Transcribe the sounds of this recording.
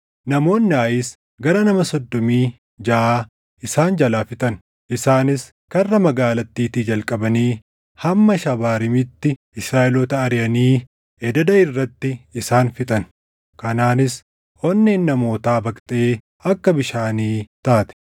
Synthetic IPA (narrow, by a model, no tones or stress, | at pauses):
nɐmo̞ːnːɪaːjɪs | ɡɐɾɐnɐmɐsɔd̪ːɔmiː | d͡ʒɐʔaː | ʔɪsaːnd͡ʒɐlaːfɪt̪ʼɐn | ʔɪsaːnɪs | kɐrːɐmɐɡaːlɐt̪ːiːt̪iːd͡ʒɐlkʼɐbɐniː | hɐmːɐʃɐbaːɾɪmɪt̪ːɪ | ɪsɾaːʔɪlɔt̪ɐːɾɪjɐniː | ʔɛd̪ɐd̪ɐɪrːɐt̪ːɪɪsaːnfɪt̪ʼɐn | kɐnaːnɪs | ʔɔnːeːnːɐmo̞ːt̪aːbɐkʼt̪ʼe̞ː | ɐkːɐbɪʃaːniːt̪aːt̪ɛ̥